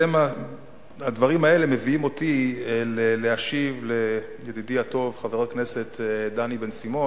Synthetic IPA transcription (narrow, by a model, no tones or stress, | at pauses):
ema | ad̪vaʁimae̞le̞me̞viimo̞t̪ieleleaʃivle̞ | jed̪idiato̞vχaveʁotknese̞t̪d̪anibe̞nsimo̞